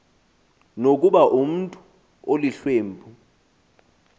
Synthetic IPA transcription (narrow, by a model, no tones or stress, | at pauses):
nok̬uɓaʔum̩ntʼu | oliɬweːmbʱu